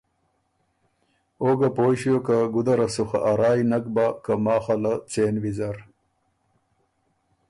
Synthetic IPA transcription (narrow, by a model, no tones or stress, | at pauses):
oːɡapoːɕijokaɡud̪ɐɾɐsuxa̰ʔaɾaːjnɐkbakamɑːxalat͡seːnwizaɾ